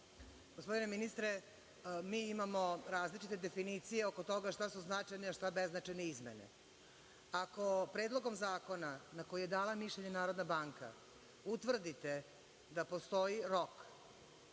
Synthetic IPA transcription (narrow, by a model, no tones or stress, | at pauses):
ɡospo̞d̪ine̞minist̪ɾe | miːimamo̞ɾaːzlit͡ʃit̪e̞d̪e̞finit̪sije̞o̞ko̞t̪o̞ɡaʃt̪asuznat͡ʃajneaʃt̪abeznat͡ʃajneizmḛnḛ | ako̞pɾe̞ːd̪lˠo̞ɡo̞mzaːko̞nanako̞jije̞d̪aːlamiʃʎeɲenaːɾo̞d̪nabaŋka̰ | ut̪ʋr̩d̪it̪e | d̪apo̞st̪o̞jiɾo̞k